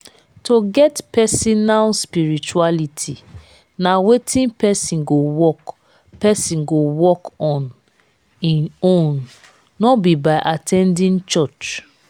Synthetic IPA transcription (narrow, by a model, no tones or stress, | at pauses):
tʰoɡɛtpɛsinalspiɹit͡ʃualitʰi | nawetʰĩnpɛsĩnɡowɔk | pɛsĩnɡowɔkɔ̃n | ĩnõnː | ɔbibaɪʔatʰɛ̃ndĩnt͡ʃɔt͡ʃ